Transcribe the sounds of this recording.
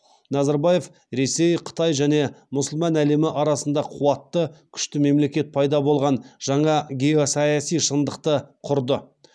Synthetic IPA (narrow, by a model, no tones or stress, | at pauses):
nɑzɑɾbaje̞f | ɾe̞se̞jqʰə̥t̪ɑjʒæne̞mʊsəlˠmɑnæle̞mɪʔɑɾɑsənd̪ɑqʰuwɑt̪ːəkʲʰʏ̥ʃt̪ɪme̞mle̞kʲe̞t̪̚pʰɑjd̪ɑbo̞lˠʁɑnʒ̥ɑɴɑɡʲeosɑjɑsijʃənd̪əqt̪əqʰʊɾd̪ə